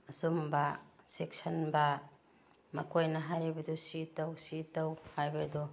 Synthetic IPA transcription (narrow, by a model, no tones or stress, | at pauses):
ɐsumbɐsek̚sɐnbɐ | mɐkojnɐɦaɾebɐdusitɐwsitɐwhajbɐdu